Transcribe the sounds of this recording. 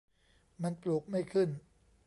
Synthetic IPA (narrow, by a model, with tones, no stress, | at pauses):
ma˧nplu˨˩k̚ma˥˩jkʰɯ˥˩n